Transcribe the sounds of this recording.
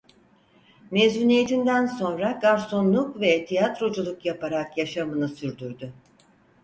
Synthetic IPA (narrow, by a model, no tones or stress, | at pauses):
mezuːnijet̪ʰind̪ænso̞nɾaɡaɾso̞nlˠukvɛt̪ʰijat̪ɾo̞d͡ʒulˠukjapaɾakjaʃamɯnɯsyɾd̪yɾd̪y